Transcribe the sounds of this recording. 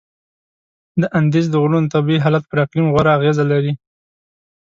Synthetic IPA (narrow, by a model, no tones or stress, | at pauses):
d̪əʔand̪ez̬d̪əɣɾunt̪abiiɦalat̪̚pəɾaqlimɣwaɾaːɣezalaɾi